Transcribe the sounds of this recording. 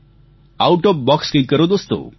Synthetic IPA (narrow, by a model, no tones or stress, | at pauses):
awʈɔp̚bɔkskĩkəɾod̪ost̪o̰